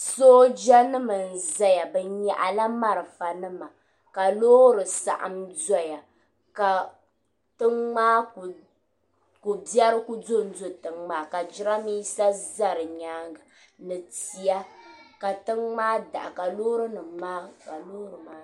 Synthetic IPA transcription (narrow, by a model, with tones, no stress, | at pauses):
soː˦d͡ʒɛ˦nɨ˦mɨ˨n̩˨za˦ja˨bɛ˨ɲɛ˦ʔa˨la˦ma˦ɾɨ˨fa˨nɨ˦ma˨ | ka˨loː˦ɾɨ˨sa̰˨ʔɨ̰˨mza˦ja˨ | ka˨ | tɨ˦ŋ͡maː˦˨ | ku˨bjɛ˦ɾɨ˦kʊ˦do˦˨n̩˦zʊ˦˨tɨ˨ŋmaː˦ka˨d͡ʒɪ˦ɾa˦mi˦sa˦za˦ɾɨ˨ɲaː˦ŋɡa˨ | nɨ˨ti˨ja˦ka˨tɨ˦ŋŋ͡maː˦da̰˨ʔa˨ka˨loː˦ɾɨ˦nɨ˨maː˦ka˨loː˦ɾɨ˨ma˦